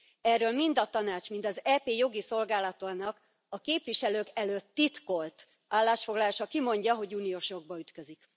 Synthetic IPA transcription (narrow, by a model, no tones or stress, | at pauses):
ɛrːøːlmind̪ɒt̪ɒnaːt͡ʃmint̪ɒzɛːpeːjo̞ɡiso̞lɡaːlɒt̪onɒk | ɒkeːpʋiʃɛløːkɛløːt̪ːit̪ko̞lt̪ | aːlːaːʃfo̞ɡlɒlaːʃɒkimo̞ɲɟɒɦo̞ɟuːnijoʃo̞ɡ̚bɒyt̪køzik